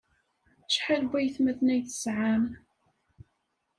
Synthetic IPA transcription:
ʃħalbæjθmæðnæjθə̥sʕam

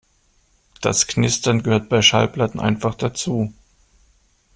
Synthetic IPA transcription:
d̥a̰sknɪstɐnɡəhøːɐt̚b̥aɪʃa̰lplatn̩ʔa̰ɪnfaχd̥at͡suː

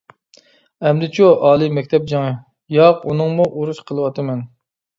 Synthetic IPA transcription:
ɛmd̪ɪt͡ʃʰuʔɑːlˠɨmɛkʲt̪ʰɛp̚d͡ʒɑŋɨ | jɑqunɨŋmuʔoɾuʃqʰəlˠɨwɑt̪ʰɨmɛn

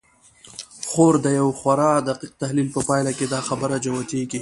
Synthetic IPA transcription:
xoɾd̪əjawxwaɾɑd̪aqiq̚t̪ahlilpəpɑjlaked̪ɑxabəɾad͡ʒawat̪eɡi

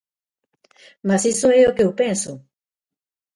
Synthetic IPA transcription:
masisoɛokewpẽnsʊ

